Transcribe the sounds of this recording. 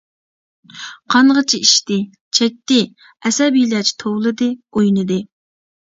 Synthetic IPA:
qʰɑnʁət͡ʃʰiiʃt̪ɪ | t͡ʃʰɛk̚ʲt̪ɪ | ɛsɛbilɛt͡ʃʰi̥t̪ʰowlˠɨd̪ɨojnɨd̪ɨ

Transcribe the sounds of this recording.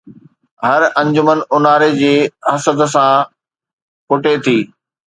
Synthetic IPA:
ɦɐɾɐ̃ɲd͡ʑʊmənʊnaːɾed͡ʑeːɦɐsəd̪s̬ã | kʊʈet̪ʰiː

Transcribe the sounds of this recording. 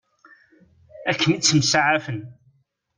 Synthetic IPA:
ækʰːənit͡sːəmsaʕafən

